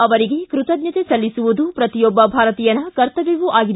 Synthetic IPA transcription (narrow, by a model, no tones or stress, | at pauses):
ɐʋɐɾiɡe̞kɾut̪ɐd̪njɐt̪esɐlːisuʋud̪upɾɐt̪ijɔbːɐbʱaːɾɐt̪iːjɐnːɐkɐɾt̪ɐʋiʋuʔaːɡid̪